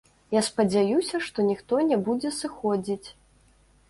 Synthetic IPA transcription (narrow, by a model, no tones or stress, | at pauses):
jaspɐd͡zʲajusʲɐʂt̪ɔnʲixt̪ɔnʲɛbud͡zʲɛsɨxɔd͡zʲit͡sʲ